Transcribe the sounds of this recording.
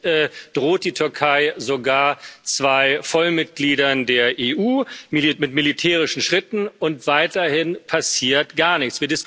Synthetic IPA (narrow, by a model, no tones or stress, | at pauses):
ɛd̥ʁoːt̚d̥iːtʰʏɐkʰaɪzoɡaːɐt͡sv̥aɪfɔlmɪt̚ɡ̥liːdɐndeːɐʔeːʔuːmilimɪtmilitʰɛːʁ̞ɪʃn̩ʃʁ̥ɪtn̩ʊntv̥aɪtɐhɪnpʰasiːɐtɡ̥aːɐnɪçt͡sv̥iːɐdɪsk